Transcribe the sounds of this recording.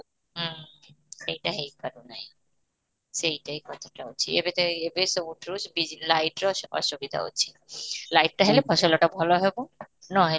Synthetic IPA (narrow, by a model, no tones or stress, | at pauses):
ɦ | ejʈaɦejkaɾonaj | ʃejʈajkɔt̪ʰḁʈaot͡ɕʰḭḛbet̪eebesouʈɾusbilajʈɾɔɔ̰ʃubid̪ʱa̰o̰ːt͡ɕʰi̥ | lajʈ̚ʈaɦelebʱɔʃoloʈabʱɔloɦebo | nɔɦe